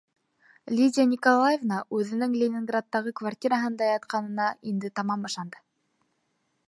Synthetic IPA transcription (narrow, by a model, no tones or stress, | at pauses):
lʲidʲanʲikolˠajevnɑʔʉðɘ̆nɘŋlʲenʲɪŋɡrat̪ːɑʁɤkvartʲiɾaɦɤnd̪ɑjɑt̪qɑnɤ̆nɑind̪ɘt̪ɑmɑmɤ̆ʃɑnd̪ɤ̥